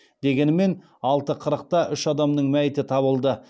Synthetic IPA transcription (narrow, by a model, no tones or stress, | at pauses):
d̪e̞ɡʲe̞nɪme̞n | ɑlˠt̪əqʰəɾəq̚t̪ɑʔʏʃɑd̪ɑmnəɴmæjɪt̪ɪt̪ʰɑβəlˠd̪ə